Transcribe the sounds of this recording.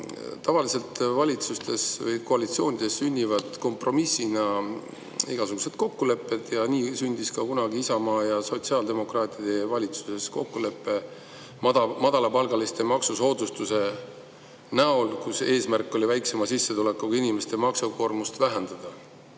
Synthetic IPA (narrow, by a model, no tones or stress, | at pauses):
t̪ɑvɑlise̞lt̪vɑlʲit̪sust̪e̞svɤjko̞ɑlit̪sio̞ːnʲid̪̥e̞sːynʲːivɑd̪̥ko̞mpro̞misinɑ | iɡ̥ɑsuɡ̥use̞d̪̥̚ko̞kːule̞pːe̞d̪̥jɑniːsynʲd̪̥iskɑkunɑɡiisɑmɑːjɑso̞t̪siɑːld̪e̞mo̞krɑːt̪ˑid̪̥e̞vɑlʲit̪su̥se̞sko̞kːule̞pːe̞ | ɑmɑd̪̥ɑlɑpɑlɡ̥ɑlist̪e̞mɑksuso̞ːd̪ust̪use̞ | næo̞lkuse̞ːsmærkːˑo̞livæjkse̞mɑsisːe̞t̪ule̞kːukinʲime̞st̪e̞mɑksuko̞rmust̪væɦend̪̥ɑd̪̥ɑ